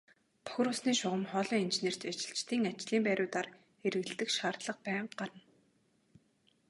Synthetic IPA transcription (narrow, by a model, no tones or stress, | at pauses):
p̪ʰɔ̥x̆ɾʊsniːʃʊʁə̆mχɔːɮɔːint͡ɕeneːr̥t͡ɕ̪at͡ɕɪ̆ɬt͡ɕt̪iːŋat͡ɕɮiːmpæːɾʲʊːt̪ar | eɾɘ̆ɣɘ̆ɮt̪ɘ̆kʃaːrt̪ɮə̆q̚pæːɴɢ̥aɾə̆n